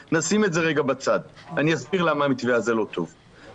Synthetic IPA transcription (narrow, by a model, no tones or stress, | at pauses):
nasime̞tze̞ʁeɡabat͡sadanijasbiʁlamamit̪veazelo̞t̪o̞̰v